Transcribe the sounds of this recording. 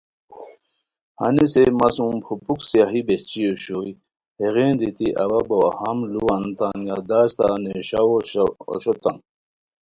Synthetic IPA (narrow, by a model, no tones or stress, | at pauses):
hɐ̰nisemɐsũmpʰupuksiaɦibeht͡ɕioɕoj | heɣeːnd̪it̪iʔɐwɐbowahɐmluant̪anɡad̪aːɕt̪aneɕawo̰ɕot̪a̰n